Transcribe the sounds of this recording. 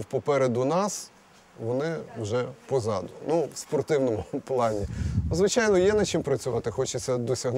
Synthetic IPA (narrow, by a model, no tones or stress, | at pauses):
wpɔpɛɾed̪ʊnɑs | ʋɔnɪwʒɛpɔzɑd̪ʊnuwspɔrt̪ɪwnɔmʊplˠɑnʲizʋɪt͡ʃɑjnɔjɛnɐt͡ʃɪmpɾɐt͡sʲʊʋɑt̪ɪxɔt͡ʃɪt͡sʲːɐd̪ɔsʲɐɦn